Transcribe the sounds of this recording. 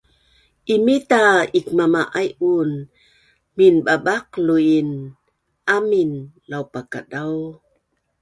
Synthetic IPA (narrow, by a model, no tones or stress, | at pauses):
ʔimit̪aikmamaʔajun | minɓabak̚luin | ʔaminlawpaka̰daw